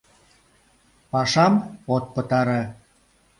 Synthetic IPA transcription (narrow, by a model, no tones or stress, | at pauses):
pɑʃɑmot̪̚pət̪ɑɾe